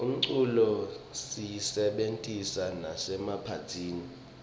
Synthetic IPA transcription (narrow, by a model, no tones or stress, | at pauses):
um̩ǀulɔsijisɛɓentʼisanasɛmapʰatʰiːni